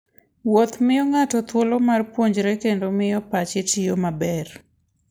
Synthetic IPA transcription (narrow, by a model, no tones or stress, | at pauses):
wot̪mɪjɔŋatɔt̪wolomarpwoɲd͡ʒɾekendomɪjɔpat͡ʃɪtɪjomabɛr